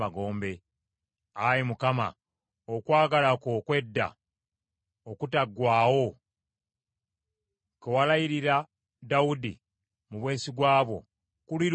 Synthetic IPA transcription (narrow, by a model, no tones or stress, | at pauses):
aɡo̞ːmbe̞ | ajemukama̰ | okwaːɡalakokwe̞dːa̰ | okutaɡwaːwo̞ | kewalajiɾiɾa | dawudḭ | muβwe̞ːsiɡwaːβo̞̰ | kuliɾ